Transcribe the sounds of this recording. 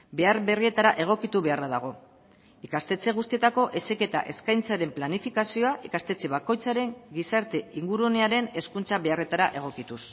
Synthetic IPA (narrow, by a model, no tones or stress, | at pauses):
be̞aɾβe̞rie̞t̪aɾaʔe̞ɣ̞o̞kit̪uβe̞araðaɣ̞o̞ | ikast̪e̞t͡se̞ɣ̞ust̪ie̞t̪ako̞ʔe̞seke̞t̪a̰ʔe̞skajnt͡saɾe̞mplanifikasio̞aʔikast̪e̞t͡se̞βako̞jt͡saɾe̞ŋɡisaɾt̪e̞iŋɡuɾuoneaɾe̞ne̞skunt͡saβe̞are̞t̪aɾaʔe̞ɣ̞o̞kit̪us